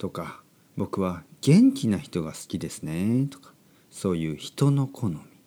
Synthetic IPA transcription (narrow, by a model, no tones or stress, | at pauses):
t̪o̞ka | bo̞kɯ̟βaɡ̥ẽ̞ɲ̟kʲinaçi̥t̪o̞ɡasɨ̥kʲid̪e̞sɨne̞t̪o̞̥kḁ | so̞ːjɯ̟ːçi̥t̪o̞no̞kʰo̞nomʲi̥